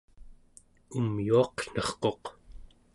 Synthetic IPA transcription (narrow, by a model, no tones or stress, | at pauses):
umjuɑqɬʌχqo̞q